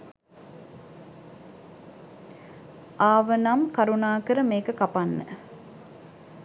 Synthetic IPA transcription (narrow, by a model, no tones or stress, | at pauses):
ʔaːʋənɐmkɐɾunaːkəɾəmeːkəkapanːə̰